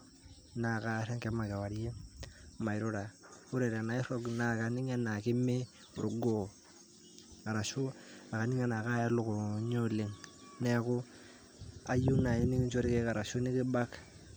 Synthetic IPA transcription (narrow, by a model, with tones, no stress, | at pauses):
na˨ka˦ɾe˦ŋke˦ma˨ka˨wa˨ɾje˦ma˨jɾu˦ɾa˨u˦ɾe˨ɾe˨na˨i˦ɾo˦ɡna˨ka˨ni˦ŋa˦na˨ki˦me˦ | ṵ˨ɾu˨ɡo˦˨ | ka˨ɾa˨ʃo˦a˨ka˨ni˦ŋa˦na˨ka˦ja˦lu˦ko˨ɲo˦le˨ŋ | ne˦ku˦ | a˨ju˦na˨ɲi˦ni˦ki˦nt͡ʃo˦ɾi˦ke˦ka˨ɾa˨ʃo˦ni˦ki˦ba˦k